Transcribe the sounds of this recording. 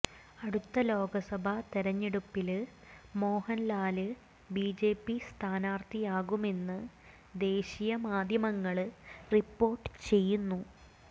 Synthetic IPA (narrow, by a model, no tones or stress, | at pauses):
ɐɽut̪ːɐlo̞ːɡɐsɐbʱɐt̪eɾɐɲːiɽupːil | mo̞ːhɐnlaːlɨ | biːd͡ʑeːpːist̪ʰaːnaːrt̪ʰijaːɣume̞nːɨ | d̪e̞ːɕijɐmaːd̪ʱjɐmɐŋːɐɭripːo̞ːrʈːɨ̥t͡ɕe̞jːunːu